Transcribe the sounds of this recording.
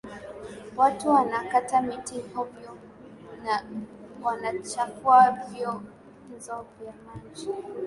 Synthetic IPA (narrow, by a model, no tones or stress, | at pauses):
watuwanakatamitihɔvjɔ | nawanat͡ʃakuavjɔ | nzɔvjamad͡ʒi